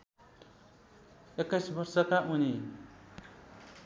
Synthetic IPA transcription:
ekːʌjsbʌrsʌkaʔuni

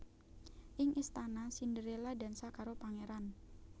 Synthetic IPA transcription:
ʔɪŋʔist̪anasindəɾelada̤nsakaɾopaŋeɾan

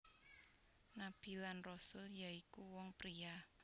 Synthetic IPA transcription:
nab̥i̤lanrɔsʊljaikuwɔŋpɾia

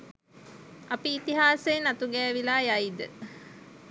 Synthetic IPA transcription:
apiːt̪iɦaːsejnat̪uɡɛːʋilaːjaid̪ə

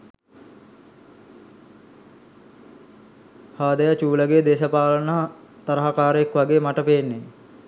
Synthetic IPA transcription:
haːd̪əjət͡ʃuːləɡeːd̪eːsəpaːlənəɦt̪ɐɾəɦakaːɾəekʋaɡeːmaʈəpeːnːe

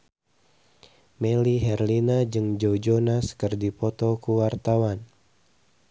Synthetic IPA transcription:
meliɦɛrlinad͡ʒɨŋd͡ʒowd͡ʒonaskərdipɔt̪ɔkuwart̪awan

